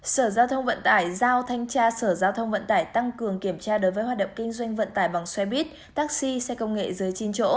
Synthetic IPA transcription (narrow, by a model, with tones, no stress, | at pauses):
səː˧˩zaː˧wt̪ʰə˧wŋ͡mvə̰˧˨nt̪aː˧˩jzaː˧wt̪ʰa˧jŋ̟t͡ɕaː˧səː˧˩zaː˧wt̪ʰə˧wŋ͡mvə̰˧˨nt̪aː˧˩jt̪a˧ŋkɨ˨˩əŋki˧˩əmt͡ɕaː˧ɗo˨˦jvəː˨˦jɦw̚ːɗə̰˧˨wŋ͡mkï˧ŋ̟zwa˧jŋ̟və̰˧˨nt̪aː˧˩jɓa˨˩ŋswɛ˧ɓi˦˥t̚ | t̪aː˦˥k̚si˧sɛ˧kə˧wŋ͡mŋḛ˧˨zɨ˨˦jt͡ɕi˧nt͡ɕo̰˧˥